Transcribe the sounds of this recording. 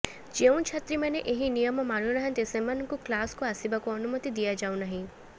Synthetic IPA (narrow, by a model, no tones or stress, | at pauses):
d͡ʒeũnt͡ʃʰat̪ɾimaneʔeɦinijɔmɔmaɽ̃unaɦə̃t̪esemanɔ̃ŋkuklaskuasibakuɔnumɔt̪id̪ijad͡ʒaw̃naɦĩ